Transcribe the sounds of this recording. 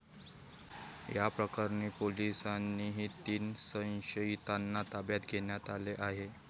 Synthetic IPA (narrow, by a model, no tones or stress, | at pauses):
japɾəkaɾniːpolisanːiːɦiːt̪iːnsə̃j̃ɕəit̪anːat̪abjat̪ɡʱeɳjat̪aleʔaɦe